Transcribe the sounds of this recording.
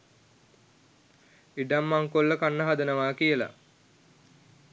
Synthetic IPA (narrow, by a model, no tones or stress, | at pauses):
iɖamːaŋkolːəkanːəɦad̪ənəʋaːkijəla̰